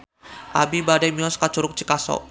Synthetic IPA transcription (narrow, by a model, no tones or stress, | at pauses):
ʔa̰bibadamiɔskat͡ʃuɾʊk̚t͡ʃikasɔ̰